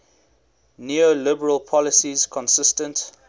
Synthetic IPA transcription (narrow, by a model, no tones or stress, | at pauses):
nuolɪbəɹəlˠpʰɔlɪsiz̥kʰɔ̃nsɪstə̃nt